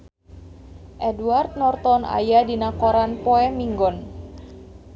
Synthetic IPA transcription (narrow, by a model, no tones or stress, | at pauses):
ʔɛduart̪̚nɔrt̪ɔna̰jadinakɔɾanpɔɛmiŋɡɔn